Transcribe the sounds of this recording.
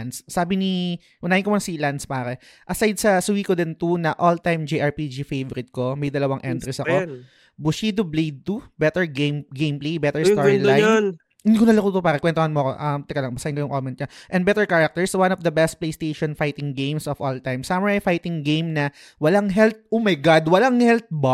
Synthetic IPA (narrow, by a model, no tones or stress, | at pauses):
nsːaːbɪni | ʔʊnaːhɪnkomɐnsilanspaːɾɛ | ʔɐsajd̪̚sɐswiːkod̪ɛnt̪unɐʔolt̪ajmd͡ʒiʔɐɹpid͡ʒifejvɔɾɪt̪̚komɐjd̪ɐlɐwɐŋʔɛnt̪ɾɛsɐko | bʊʃiːd̪oblejd̪̚t̪ubɛt̪ɛɹɡemɡẽjmplejbɛt̪ɛɹst̪ɔɹlajon | ɪnd̪ikʊnɐlɐkuːopaːɾɛkwɛnt̪ohɐnmoɐko̰ʔɐmt̪ɛkɐlɐŋbɐsaʔɪnkojʊŋkomɛnt̪̚ɲaʔɛ̃nbɛt̪ɛɹkaɹɐk̚t̪ɛɹswãnɔfd̪ɐbɛst̪̚plejst̪ejʃɔnfajt̪ɪŋɡẽjmsɔfɔlt̪ajmsamɛɹɐjfajt̪ɪŋɡejmnɐ | wɐlaŋɦɛlt̪̚omɐjɡad̪wɐlaŋhɛlt̪̚ba